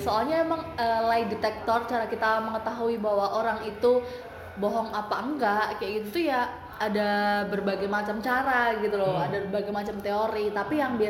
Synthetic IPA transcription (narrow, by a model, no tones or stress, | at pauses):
soalɲaemaŋəːlaidet̪ɛk̚t̪ɔrt͡ʃaɾakit̪aməŋət̪aɦuibaɦwaʔoɾaŋit̪u | bɔɦɔŋapaəŋɡaʔkajaɡit̪ut̪ujaː | dabərbaɡajmat͡ʃamt͡ʃaɾaɡit̪uloadabərbaɡajmat͡ʃamt̪eoɾit̪apijaŋbi